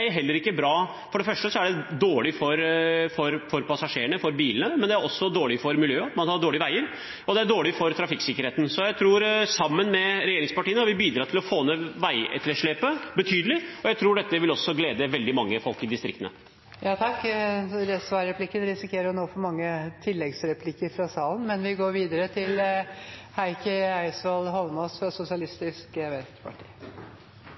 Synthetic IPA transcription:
ɛæɾɦɛlːəɾɪkːəbɾɑː | fɔɖɛfœʂʈəsɔæɖɛd̪oːɭɪfɔɾfɔɾfɔɾpʰɑsɑʂeːəɳəfɔɾbiːlənəmɛnd̪ɛæɾɔsːɔd̪oːɭɪfɔɾmɪljøːɑt̪mɑnhɑɖoːɭɪəʋæɪəɾ | ɔd̪ɛæɖoːɭɪfɔɾt̪ʰɾɑfɪksɪkəɾheːt̪n̩sɔjæɪt̪ʰɾuːɾsɑmːənmɛɾɛjeːɾɪŋspɑʈiːənɑɾʋɪbiːd̪ɾɑːɾt̪ɪlɔfoːnːəʋæɪɛ̰t̪ləʂɭeːpəbət̪ʰyːd̪əlɪɔjæɪt̪ʰɾuːɖɛt̪ːəʋɪlɔsːɔɡleːd̪əʋɛld̪ɪmɑŋːəfɔlkɪd̪ɪst̪ɾɪkt̪ənə̰ | jɑːt̪ʰɑkːɾɛsʋɑɾɛpʰlɪkːənɾɪsɪkʰeːɾəʊnoːfɔɾmɑŋːət̪ʰɪlːɛɡsɾɛpʰlɪkːəɾfɾɑsɑːlən̩mɛnʋɪɡoːɾʋiːd̪əɾət̪ʰɪl | hæɪkəæɪsʋɑld̪ɦɔlmɑsfɾɑsʊsɪɑlɪst̪ɪskʋæt̪pʰɑ̰ʈʰḭː

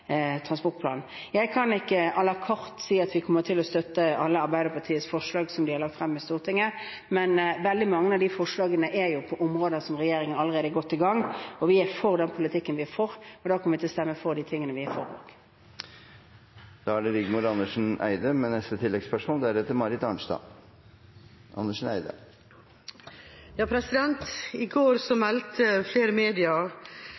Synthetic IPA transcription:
t̪ʰʁɑnspɔʁt̪̚pʰlɑ̰ːnn̩ | jæɪkʰɑnɪkːəɑlɑkʰɔɾt̪siːɑt̪ʋɪkʰɔmːəʁt̪ʰɪlɔst̪œt̪ːəɑlːəɑɾbæɪd̪əɾpʰɑt̪ʰiːəsfɔʂlɑːɡsɔmd̪ɪhɑɾlɑk̚t̪fɾɛmːɪst̪uːʁt̪ʰɪŋːə | mɛnʋɛld̪ɪmɑŋːəɑʋd̪ifɔʂlɑːɡənəʔæɾjʊpʰɔʔɔmʁoːd̪əsɔmʁɛjeːɾɪŋənɑləʁeːd̪əɡɔt̪ːɪɡɑŋːɔʋɪæɾfɔʁd̪ɛnpʰʊlɪt̪ʰɪkːənʋɪæɾfɔɾɔd̪ɑːkʰɑnʋɪt̪ɪlɔst̪ɛmːəfɔʁd̪iːt̪ʰɪŋːənəʋɪæfɔɾo̰ːɡ̥ | d̪̥ɑːæɖɛɾɪɡmuɾɑnːəʂn̩æ̰ɪd̪əmɛnɛst̪ət̪ʰɪlːɛɡspœʂmʊnd̪ɛæɾɛt̪ːəmɑɾɪt̪ɑɳʂd̪ɑ̰ | ʔɑ̰nːəʂn̩æɪd̪ə̰ | jɑːpʰɾɛsɪd̪ɛnt̪ɪɡoːɾsɔmɛlt̪ʰəfleːɾəmeːd̪ɪɑ

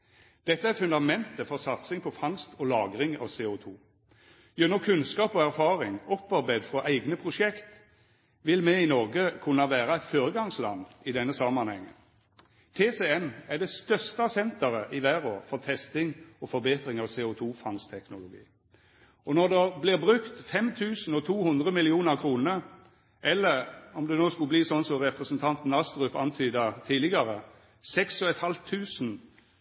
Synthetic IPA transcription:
d̪̥ɛt̪ːəæɾfʉnd̪ɑmɛnt̪əfɔʁsɑt̪sɪŋpʰɔfɑŋst̪ʰɔlɑːɡɾɪŋɑ̰ʋseːʊt̪ʰuː | jɛnɔkʰʉnskɑːpɔæʁfɑːʁɪŋɔpːɑɾbæɪd̪fʁɔʔæɪɡnəpʰʁʊʃɛkt̪ | ʋɪlmɛɪnɔʁɡəkʰʉnːɑʋæːɾɑæɪt̪foːɾəɡɑŋslɑ̰nːɪd̪ɛnːəsɑmːɑnhɛŋːə̰n | t̪ʰeːsɛɛnæd̪ɛst̪œʁst̪ɑsɛnt̪əʁəʔɪʋæːʁoːfɔʁt̪ʰɛst̪ɪŋɔfɔɾbeːt̪ɾɪŋɑʋseːʊt̪ʰuːfɑŋst̪ʰɛknʊlʊɡḭː | ɔnɔd̪ɛblɪʁbɾʉkt̪fɛmt̪ʰʉːsn̩ɔt̪ʰuːhʉnd̪ʁəmɪlɪuːnəʁkʰɾuːnə | ʔɛlːəʁɔmd̪ɛnoːskʉbliːsɔnːsɔʁɛpɾəsənt̪ʰɑnt̪n̩ɑst̪ʁʉpɑnt̪ʰyːd̪ət̪ʰiːlɪɡɑɾə | sɛksɔɛt̪hɑlt̪ʰːʉːsn

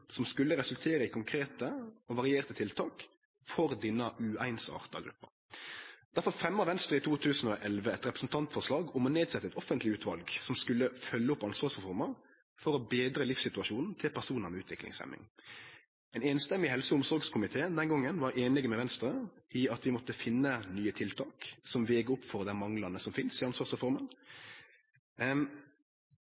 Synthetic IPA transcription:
sɔmskʉlːəɾɛsʉlt̪ʰeːɾəɪkʰʊŋkʰɾeːt̪əɔʋɑʁɪeːʁt̪ət̪ʰɪlt̪ʰɑːk | fɔɾd̪ɪnːəʔʉæɪnsɑ̰ːʁt̪ɑ̰ɡɾʉ̰pːə̰ɾ | d̪̥æɾfɔɾfʁɛmːəʁʋɛnst̪ɾəɪt̪uːt̪ʰʉːsn̩ɔʔɛlʋəɛt̪ʁɛpɾə̥sn̩t̪ʰɑnt̪fɔʁʂlɑːɡʊmɔneːd̪sɛt̪ːəɛt̪ɔfənt̪lɪʉːt̪ʰʋɑlɡsɔmskʉlːəfœlːəʊpːɑnsʋɑːsɛfɔʁməʁ | fɔɾɔbeːd̪ɾəlɪfsɪt̪ʉɑʃuːnn̩t̪ʰɪlpʰæʁʂuːnəʁmɛʉːt̪ʋɪklɪ̰ŋsɛ̰mːɪ̰ŋ | ɛːneːnst̪ɛmːɪhɛlsəʊmsɔɾɡskʰʊmɪt̪ʰeːənd̪ɛnɡɔŋːənʋɑɾeːnɪɡəmɛʋɛnst̪ɾəɪɑt̪ʋɪmɔt̪ːəfɪnːənyːət̪ʰɪlt̪ʰɑːksɔmʋeːɡəʊpːfɔʁd̪æmɑŋlɑnəsɔmfɪnsɪɑnsʋɑːsʁɛfɔɾmən

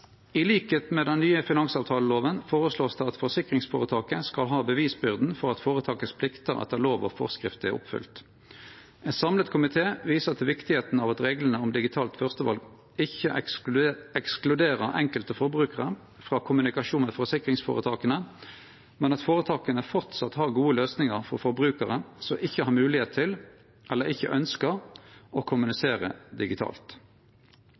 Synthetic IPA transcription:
ɪliːkeːt̪meːd̪ɛnnyːəfɪnɑŋsɑːʋt̪ʰɑːləloːʋənfoːʁəsloːst̪ɛɑt̪fɔʁsɪkʁɪŋsfo̰ːʁət̪ʰɑːkəskɑlɦɑːbəʋiːsbʏʁd̪n̩fɔʁɑt̪foːʁət̪ʰɑːkəspʰlɪkt̪əʁɑ̰t̪d̪ɛloːʋɔ̰fɔ̰ʁskʁɪft̪əæ̰ʁʊ̰pfʏ̰lt̪ | ɛt̪sɑmlət̪kʰʊmɪt̪ʰeːʋiːsəʁt̪ʰɪlʋɪkt̪ɪheːt̪n̩ɑːʋɑt̪ʁeːɡlənəʊmd̪ɪɡɪt̪ʰɑːlt̪fœʁst̪əʋɑ̰lɡ | ɪçəʔ | ɛksklʉd̪eːʁəʁʔɛ̰ŋkəlt̪əfɔɾbʁʉːkəʁə | fʁɑːkʰʊmʉnɪkɑʃuːnəfɔsɪkʁɪŋsfo̰ːʁət̪ʰɑːkənə | mɛnɑt̪foːʁət̪ʰɑːkənəfɔʁt̪sɑt̪hɑːʁɡuːəløːsnɪŋəʁfɔʁfɔʁbʁʉːkəʁəsɔmʔɪçːəhɑːʁmʉːlɪheːt̪̚ʰɪl | ʔɛlːəʁɪçːə̰ʔœnskəʁʔɔkʰʊmʉnɪseːʁə̰d̪ɪɡɪt̪ʰɑ̰ːlt̪

